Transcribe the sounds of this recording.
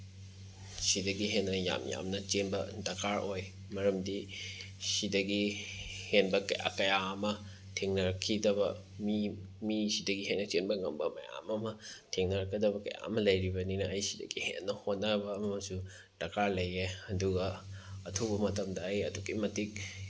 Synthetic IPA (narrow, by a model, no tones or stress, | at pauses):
sidɐɡiɦenːɐja̰mja̰mnɐt͡ʃenbɐdɐkʰaɾʔoj | mɐɾɐmdi | sidɐɡihenbɐkɐja̰kɐjaɐmɐ | tʰiŋnɐɾɐkʰidɐβɐ | mi | misidɐɡiɦenːɐt͡ʃenbɐŋɐmbɐmɐ̰ja̰mɐmɐtʰiŋnɐɾɐkʰːɐdɐbɐkɐja̰ɐmɐlɐjɾibɐninɐɐjsidɐ̰ɡihenːɐhot̚nɐbɐːmɐmɐsu | d̥ɐkʰaɾlɐjeɐduɡɐɐtʰobɐmɐtɐmdɐːjɐduɡimɐtik̚